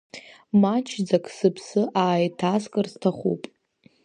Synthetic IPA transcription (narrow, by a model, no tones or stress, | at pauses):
mat͡ʃʰd͡zakʼsɨpʰsɨʔaːjtʰaskʼɨrstʰaχṵpʼ